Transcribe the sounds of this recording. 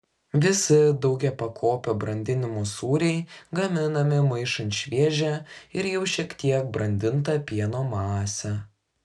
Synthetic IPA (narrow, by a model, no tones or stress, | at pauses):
ʋʲɪsʲɪd̪ɐʊɡʲɛpɐkʰoːpʲoːbɾɐnʲd̪ʲɪnʲɪmusuːɾʲɛɪɡɐmʲɪnɐmʲɪmɐɪʃɐnʲʃʲʋʲiɛʒʲɛɪɾjɛʊʃʲiɛkt̪ʲiɛk̚bɾɐnʲd̪ʲɪnt̪ɐpʲiɛnoːmɑːsʲɛ